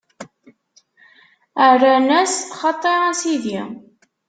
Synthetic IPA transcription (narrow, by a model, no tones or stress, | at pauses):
ərːænæsχɑt̪ˤːeɾˤɑsiði